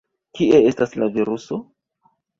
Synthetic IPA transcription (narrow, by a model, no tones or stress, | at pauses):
kie̞e̞staslaviɾuso